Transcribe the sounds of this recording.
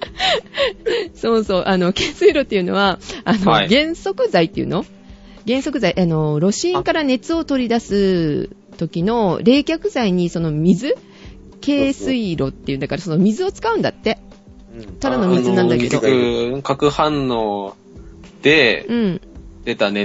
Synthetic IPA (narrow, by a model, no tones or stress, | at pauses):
so̞ːso̞ːʔano̞ke̞ːsɨiɾo̞t̪ːe̞iɯ̟no̞̰βaːno̞ɡẽ̞ɰ̃so̞kɯ̟zait̪ːe̞iɯ̟̰no̞ | ɡẽ̞ɰ̃so̞kɯ̟zaiʔano̞ɾo̞ɕĩŋkaɾane̞t͡sɨo̞t̪o̞ɾʲid̪asɨ | t̪o̞kʲino̞ɾe̞ːkʲakɯ̟zaiɲ̟iso̞no̞mʲizɨ | ke̞ːsɨiɾo̞t̪ːe̞iɯ̟nd̪akaɾaso̞no̞mʲizɨo̞t͡sɨ̥kaɯ̃nd̪at̪ːe̞ | t̪ad̪ano̞mʲizɨnãnd̪aked̪o̞̰ɯkakɯ̟hãnːoː | d̪̥e̞ɯ̟̃ɴd̪̥e̞t̪ane